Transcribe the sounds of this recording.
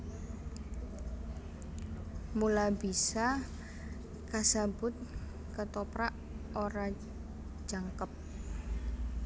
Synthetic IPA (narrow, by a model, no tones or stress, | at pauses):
mulabisa | kasabʊt̪̚ | kət̪opɾaʔ | oɾḁ | d͡ʒaŋkəp̚